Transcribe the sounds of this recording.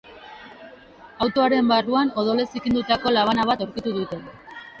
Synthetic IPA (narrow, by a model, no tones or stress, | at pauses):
awt̪o̞aɾe̞mbaruano̞ð̞o̞le̞sikind̪ut̪ako̞laβ̞anaβat̪oɾkit̪uðut̪e̞